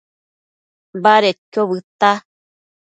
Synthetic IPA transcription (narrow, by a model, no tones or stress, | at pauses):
baɾet̪̚kʲoβɨt̪a